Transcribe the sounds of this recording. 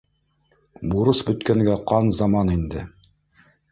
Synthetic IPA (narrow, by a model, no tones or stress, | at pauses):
buɾɤsbɵ̆t̪kæŋɡæqɑnzɑmɑnind̪ɘ̰